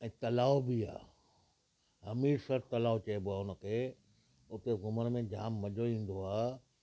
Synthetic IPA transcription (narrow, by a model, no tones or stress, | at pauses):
ɛ̃ːt̪ɐlaːobia̰ː | ɦɐmiːɾsɐɾt̪ɐlaːot͡ɕɐeboaːʊnə̆kʰeː | ʊt̪eɣʊməɾmẽd͡ʑaːmːɐʄoĩːn̆d̪oaː